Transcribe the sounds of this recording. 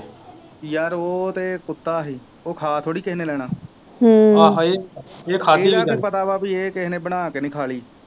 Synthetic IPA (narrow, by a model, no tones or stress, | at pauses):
jaːɾoːt̪eːkʊt̪ːaːɦiː | oːkʰaːt̪ʰoːɽiːkɪɦneːlɛːɽ̃aː | haːɦaeːeːkʰaːeːkeːpət̪aːbaːpieːkeɦneːbəɽ̃aːkenɪkʰaːliː